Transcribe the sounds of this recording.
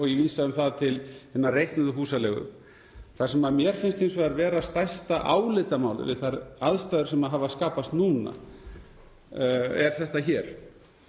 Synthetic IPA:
ɔɣjɛviːsaʏmθaðt̪ʰɪlhɪnːarejht̪nʏðʏɦuːsalɛɣʏ̰m | θḁsɛmaðmjɛɾ̥fɪnst̪ejnsvɛaɾvɛːɾast̪ajst̪aʔaːwlɪt̪amaːwlɪ̰vɪ̰ðθaɾaðst̪ajðʏɾ̥sɛmaɦavaskaːpast̪nuːna̰ | ɛɾ̥θɛht̪açɛːɾ̥

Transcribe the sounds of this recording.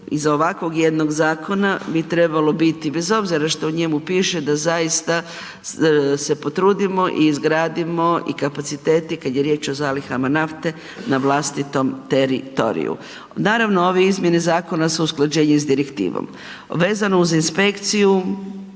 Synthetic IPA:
izoʋakʋo̞ɡje̞d̪no̞ɡzaːkʰo̞nabit̪ɾe̞balo̞bit̪ibe̞zo̞bziɾaʃt̪ouɲe̞mupiːʃe̞d̪azajist̪a | se̞po̞t̪ɾuːd̪imo̞ʔiːzɡɾaːd̪imo̞ḭkapat̪sit̪e̞ːt̪ikad̪je̞ɾjet͡ʃo̞zaːlixamanaft̪e̞ | naʋlˠast̪it̪o̞mt̪e̞ɾit̪o̰ɾḭjṵ | naːɾaʋnooʋeizmje̞nezaːko̞nasuusklˠad͡ʒe̞ːɲezd̪iɾekt̪ḭːʋo̰m | ʋe̞ːzanouzinspe̞kt̪siju

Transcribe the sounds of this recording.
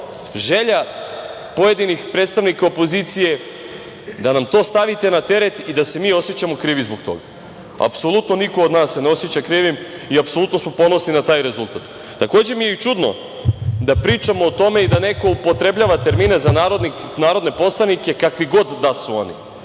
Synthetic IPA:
ʒe̞ʎa | po̞je̞d̪inixpɾe̞ːt̪st̪aʋnikaopo̞zit̪sije̞ | d̪anamt̪o̞ːst̪aʋit̪e̞nat̪e̞ɾe̞t̪id̪ase̞miːo̞sjet͡ɕamo̞kɾiːʋizbo̞kt̪o̞̰ɡa | a̰pso̞lˠut̪no̞niko̞ːd̪naːsːeneo̞sjet͡ɕakɾiːʋimiapso̞lˠut̪no̞smo̞po̞nosninat̪aːjɾe̞zulˠt̪at̪ː | ako̞ːd͡ʑemijeit͡ʃud̪no̞̰ | d̪apɾiːt͡ʃamoːt̪o̞me̞id̪ane̞ko̞upo̞t̪ɾe̞bʎaʋat̪e̞ɾmine̞zanaɾod̪ninaːɾo̞d̪ne̞po̞slˠanike̞kakʋiɡo̞d̪ːasuo̞̰nḭ

